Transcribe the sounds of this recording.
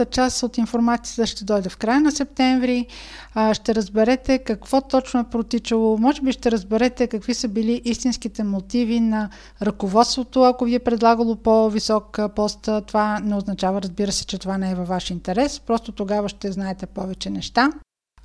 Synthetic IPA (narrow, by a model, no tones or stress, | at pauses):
t̪ət͡ʃasot̪infoɾmat̪sijət̪əʃt̪ɛd̪ɔjd̪ɛfkɾajənɐsɛp̚t̪ɛɱvɾi | ʃt̪ɛɾəzbɛɾɛt̪ɛkɐkv̥ɔt̪ɔt͡ʃnoɛpɾot̪it͡ʃəlˠomɔʒɛbiʃt̪ɛɾəzbɛɾɛt̪ɛkɐkvisəbiliʔist̪insk̟it̪ɛmot̪ivinɐ | ɾɐkovɔt̪st̪vot̪oɐkoviɛpɾɛd̪lˠaɡəlˠopovisɔkpɔst̪ət̪ovanɛoznɐt͡ʃavəɾəzbiɾəsɛ̥t͡ʃɛt̪ovanɛɛvɐvːaʃint̪ɛɾɛspɾɔst̪ot̪oɡavəʃt̪ɛznaɛt̪ɛpɔvɛt͡ʃɛnɛʃt̪a